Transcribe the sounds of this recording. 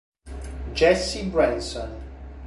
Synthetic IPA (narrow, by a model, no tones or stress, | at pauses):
d͡ʒɛsibɹãnsə̃n